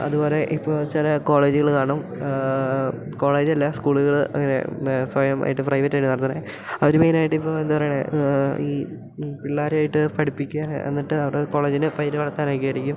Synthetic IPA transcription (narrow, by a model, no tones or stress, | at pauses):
ɐ̰ðubo̞ːle̞ʔipːo̞ːɭt͡ɕilɐko̞ːɭe̞ːd͡ʑuɣɐɭkaːɳɐm | ko̞ːɭe̞ːd͡ʑɐlːɐskuːɭuɣɐɭɐ̰ŋːɐnḛsʋɐjɐmʔa̰ːjiʈːɨprɐjʋɐtːaːjɖːɨnɐrɐt̪ːunːɐ̰ | ɐʋɐɾumejnaːjiʈːɨipːoːe̞nd̪ɐpɐrɐjɳeiː | piɭːaːɾaːjiʈːɨpɐɽipːikʲːaːnḛnːiʈːɨɐʋɐɽeko̞ːɭeːd͡ʑinɨpɐjɾuʋɐɭɐt̪ːaːnaːk̬ːiɐɾikʲːum